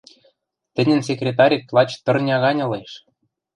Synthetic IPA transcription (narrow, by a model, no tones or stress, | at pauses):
t̪ɘ̆nʲɘ̆ns̬ʲekrʲet̪ɑɾʲiplˠɑt͡ɕt̪ɤ̆rnʲɑɣɑnʲɤ̆leʃ